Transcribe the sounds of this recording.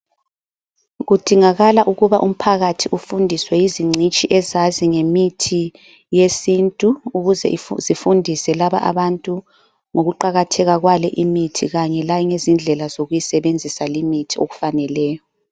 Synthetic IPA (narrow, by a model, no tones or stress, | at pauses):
ɣud̥ʱiŋaɣalaʔuɣuβaʔum̩pʰaɣatʰiʔufundʱiswɛjiziŋ͡ǀit͡ʃʼiʔɛzaziŋemitʰi | jesintʼuːɣuzɛ̰ʔizifundʱisɛlaβa̰ʔa̰βantʼu | ŋoɣuǃaɣatʰɛɣaɣwalɛʔimitʰiɣaɲɛlajiŋezind͡ɮʱɛlazoɣujisɛβend͡zʱisalimitʰio̰ɣu̥fanɛlɛːjɔ